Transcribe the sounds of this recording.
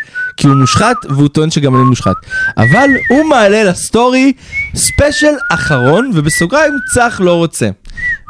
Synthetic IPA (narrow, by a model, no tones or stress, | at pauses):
kiumuʃχat̪veut̪oenʃeɡamanimuʃχa̰t̪ʔa̰valhumaːle̞lasto̞ʁispeʃalaχaʁo̞nvebesoɡʁaimt͡saχlo̞ʁo̞t͡se̞̰